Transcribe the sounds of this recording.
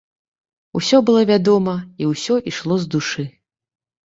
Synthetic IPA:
usʲɔbɨlˠɔvʲad̪ɔmɐiwsʲɔʔiʂlˠɔzd̪uʂɨ

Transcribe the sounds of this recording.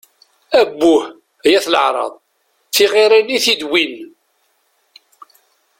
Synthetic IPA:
æbːʊh | jæθlə̰ʕɾˤɑ̰ðˤ | θiʁiɾæniθid̪win

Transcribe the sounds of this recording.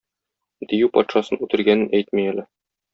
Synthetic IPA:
d̪ijʉpɒt̪ʃɑsɤnʉt̪ɘ̆ɾɡænɘnæjt̪̚mijælɘ

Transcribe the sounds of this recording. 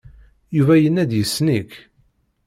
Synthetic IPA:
juvæjənːæd̪jəsːnik

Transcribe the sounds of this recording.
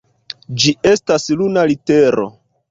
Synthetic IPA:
d͡ʒie̞staslunalite̞ɾo̞̰

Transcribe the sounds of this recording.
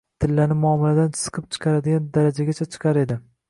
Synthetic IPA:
t̪ʰɪlːanɪmʊɒmɪlad̪ant͡ʃʰɨ̥sɨ̥qʰɨp̚t͡ʃʰɨ̥qʰɑɾad̪ɪɡʲand̪aɾad͡ʒaɡʲat͡ʃʰat͡ʃʰɨ̥qʰɑɾe̞d̪ɪ

